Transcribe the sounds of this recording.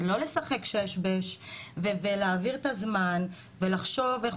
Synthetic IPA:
lo̞le̞saχe̞kʃejeʃbeʃveveleaviʁet̪azman | velaχʃo̞veχ

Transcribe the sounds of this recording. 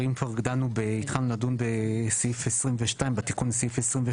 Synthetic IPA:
ʁimfaʁɡdanubɛitχanunadunbɛsifɛsʁimvɛʃtaɪ̃nbatikunsifɛsʁimve

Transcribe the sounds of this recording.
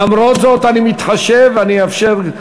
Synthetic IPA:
amɾot̪zot̪animit̪χaʃevaniafʃeʁ

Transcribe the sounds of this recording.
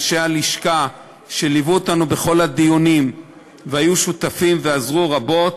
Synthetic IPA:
ʃealiʃka | ʃe̞livuotanube̞χo̞lad̪ijonim | vehajuʃut̪afimve̞azʁuʁabo̞t

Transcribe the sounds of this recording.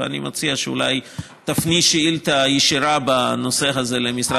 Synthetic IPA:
a̰nimat͡siaʃeṵla̰j | t̪afniʃeilt̪ajeʃiɾabano̞seɦazelemisɾa

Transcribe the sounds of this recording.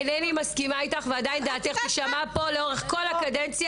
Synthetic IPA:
nenimaskimait̪aχvead̪aind̪aːt̪eχbeʃamapo̞leo̞ʁeχko̞lakad̪ent͡sja

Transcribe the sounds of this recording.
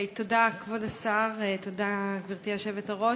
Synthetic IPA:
t̪odakvodasaʁt̪odaɡviʁt̪iaʃevetaʁo

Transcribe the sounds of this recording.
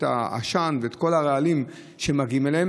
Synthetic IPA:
ta̰a̰ʃanveet̪ko̞laʁealim | ʃemaɡimelehem

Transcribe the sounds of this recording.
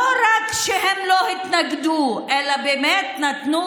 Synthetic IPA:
oɾakʃeɦemloːɦit̪nɐkd̪uɛlɐbemɛːt̪̚nɐt̪nu

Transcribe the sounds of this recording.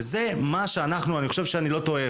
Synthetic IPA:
ze̞maʃeanaχnuaniχo̞ʃe̞vʃeanilo̞t̪o̞e

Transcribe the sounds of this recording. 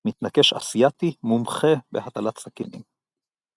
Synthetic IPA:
mit̪nakeʃa̰sijat̪imumχebehat̪alat̪sakḭnḭm

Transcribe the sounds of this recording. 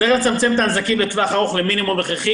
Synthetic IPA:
eχlt͡samt͡semt̪aːnzakimbet̪vaaχaʁuχleminimumveχeχi

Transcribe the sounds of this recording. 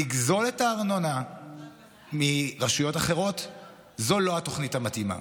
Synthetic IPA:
iɡzo̞letaːʁnona | miʁaʃujo̞taχe̞ʁo̞t | zo̞lo̞ato̞χnithamatima̰

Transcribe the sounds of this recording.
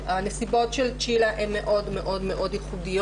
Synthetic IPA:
nɛsibot͡ʃɛlt͡ʃilaʔʔɛnɛʔod̪mɛʔod̪mɛʔod̪ixud̪i

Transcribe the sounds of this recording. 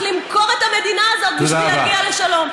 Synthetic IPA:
limko̞ʁet̪hame̞d̪inaːzo̞t̪̚biʃavaialeʃalo̞m

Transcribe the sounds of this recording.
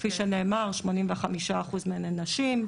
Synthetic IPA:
fiʃene̞ːmaʁʃmo̞nimveχamiʃaːχuzmenenaʃim

